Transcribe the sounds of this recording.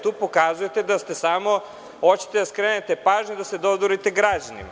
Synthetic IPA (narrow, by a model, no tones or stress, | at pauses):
t̪uːpo̞kazuje̞t̪ed̪ast̪e̞samo̞ | ot͡ɕi̥t̪ed̪askɾenet̪epaːʒɲod̪ased̪ozoɾit̪eɡɾad͡ʑanḭma